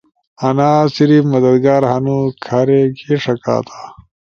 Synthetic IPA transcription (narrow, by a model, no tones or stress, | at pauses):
ɐnaːsiɾifmɐd̪ɐd̪ɡaːɾɦɐnukʰɐɾekeʂɐka̰ːt̪ʰḁː